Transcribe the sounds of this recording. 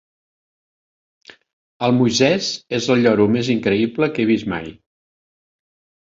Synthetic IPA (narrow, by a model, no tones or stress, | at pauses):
əlˠmujzɛzezəlˠʎɔɾumeziŋkɾəibləkeβ̞izma̰j